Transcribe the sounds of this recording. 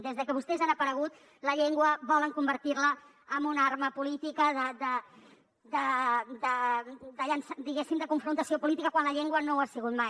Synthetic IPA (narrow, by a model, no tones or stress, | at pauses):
d̪ezðəkəβust̪ɛzanəpəɾəɣ̞ut̪ | ləʎeŋɡwəβɔləŋkumbəɾt̪irləː | mbunaɾməpulit̪ikəðəd̪ə | d̪əd̪əd̪əʎənsd̪iɣɛsimd̪əkuɱfɾunt̪əsiopulit̪ikəkwanləʎeŋɡwənoasiɣ̞ut̪maj